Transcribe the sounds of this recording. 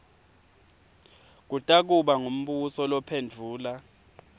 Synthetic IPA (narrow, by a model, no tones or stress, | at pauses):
k̬utʼak̬uɓaŋum̩ɓusɔlɔpʰend͡ɮʱuːla